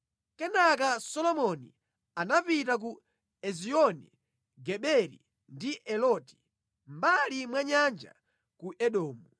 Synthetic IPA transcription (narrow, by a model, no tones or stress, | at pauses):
kɛnak̬asɔlɔmɔni | anapit̬ak̬u | ɛziɔnḭ | ɡɛɓɛɾḭ | ndiʔɛlɔti̥ | m̩balimwaɲand͡ʒa̰ | kuʔɛɗɔːmu